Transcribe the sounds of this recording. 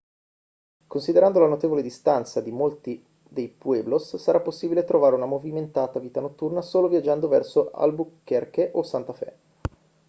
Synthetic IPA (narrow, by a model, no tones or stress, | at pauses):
konsid̪eɾand̪olanot̪eːvoled̪ist̪ant̪sad̪imolt̪i | d̪ejpueːblosːaɾapːosːiːbilet̪ɾovaːɾeunamoviment̪aːt̪aviːt̪anot̪ːurnasoːlovjad͡ʒːand̪ovɛrsoa̰lbukːɛrkeʔosant̪afɛ̰